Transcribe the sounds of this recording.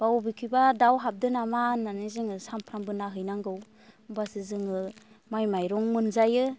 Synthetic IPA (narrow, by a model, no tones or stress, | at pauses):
b̥awbikʰɯbadawɦap̚dɯnamanːanɯziŋɯsampʰɾambɯnaɦɯjnaŋɡɯw | basɯzɯŋɯ | majmajɾɔŋmɯnzajɯ